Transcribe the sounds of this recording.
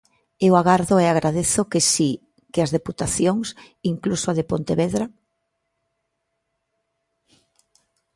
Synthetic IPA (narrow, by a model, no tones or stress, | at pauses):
ewaɣaɾðoeaɣɾʔaðeθokesi | keɐzðeput̪aθjoŋs | iŋklusoaðepont̪eβeðɾa